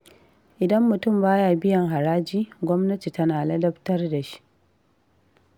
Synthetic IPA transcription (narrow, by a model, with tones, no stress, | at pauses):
ʔɪ˨dɐ˦mːʊ˨tʊ˦˨mbaː˦jaː˨bɪ˦jɐ˨ŋɦa˨ɾaː˦d͡ʒiː˦ɡʷɔ˦mnɐ˦ti˨tɐ˦naː˨lɐ˦dɐ˦ɸtɐ˦rda˨ʃi̥˦ʔ